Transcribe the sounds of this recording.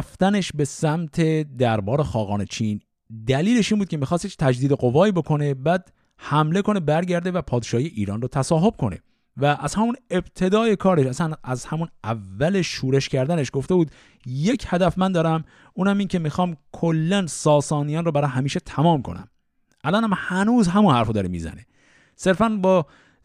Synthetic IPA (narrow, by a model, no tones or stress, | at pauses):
ft̪æne̞ʃbe̞sæmt̪ʰe̞d̪æɾbɒːɾe̞xɒːɣɒːne̞t͡ʃʰiːn | d̪æliːle̞ʃinmbuːd̪kʰcʰemixɒːst̪jekt̪ʰæd͡ʒd̪iːd̪e̞ɢo̞vɒːibokʰo̞ne̞bæːd̪̥ | hæmle̞ko̞ne̞bæɾɟæɾd̪e̞væpʰɒːd̪eʃɒːhijeʔiːɾɒːnrot̪ʰæsɒːɦo̞b̥̚kʰo̞nḛ | væʔːz̥hæmune̞b̥t̪ʰe̞d̪ɒːje̞kʰɒːɾeʃæsænæzhæmunʔævːæleʃuːɾe̞ʃcæɾd̪æneʃɡo̞ft̪e̞buːd̪ | je̞cʰhæd̪æfmænd̪ɒːɾæm | uːnæmiːncʰe̞mixɒːmkʰolːænsɒːsɒːnijɒːnrobæɾɒːɦæmiːʃet̪ʰæmɒːmkʰo̞̰næ̰m | ʔælɒːnæmhænuːzɦæmunhæɾfod̪ɒːɾemḭːzæ̰ne | se̞ɾfænbɒː